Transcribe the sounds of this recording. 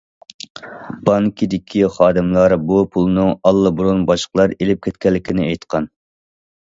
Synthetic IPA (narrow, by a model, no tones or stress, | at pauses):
b̥ɑŋkʲʰid̪ɪkʲʰiχɑːd̪ɨmlˠɑɾbupʰulˠnɨŋɑlˠːɨbuɾunbɑʃqlˠɑɾelɪp̚kʲʰɛt̪kʲɛlːɪkʲinɪejt̪qʰɑn